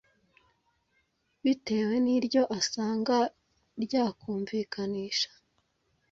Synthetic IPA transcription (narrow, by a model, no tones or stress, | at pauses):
βite̞ːwe̞niɾɟo̞ʔasaːŋɡa | ɾɟaːkʰuːɱviːkʰaniːʃḁ